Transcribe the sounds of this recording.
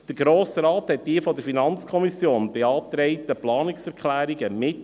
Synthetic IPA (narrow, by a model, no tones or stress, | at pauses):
d̥əɾɡɾoːsɾɑːthɛt̚d̥iəfɔdəɾfinɑnt͡skʰɔmisjoːnb̥eɑːt̪ɾɛɪt̪əplɑːnɪksɛɾkχlæːɾiɡəmɪt